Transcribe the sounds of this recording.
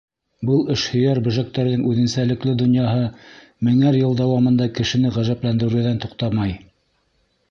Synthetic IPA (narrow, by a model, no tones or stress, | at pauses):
bɤlˠɘʃhɵ̆jæɾbɵ̆ʒæk̚t̪ːæɾðɘŋʉðɘ̆nsælɘ̆klɘd̪ŏnjɑɦɤ | mɘ̆ŋæɾjɤlˠd̪ɑwɑmɤ̆nd̪ɑkɘ̆ʃɘ̆nɘʁæʒæplænd̪ɘ̆ɾɘ̆ðænt̪uqt̪ɑmɑj